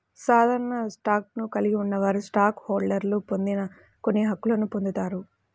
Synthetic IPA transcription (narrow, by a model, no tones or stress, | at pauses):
saːd̪ʱaːɾɐɳɐsʈaːk̚nukɐliɡiunːɐʋaːɾusʈaːkhoːɾɖɐɾlupo̞nd̪inɐ | ko̞nːiɦɐkːulɐnupond̪ut̪aːɾu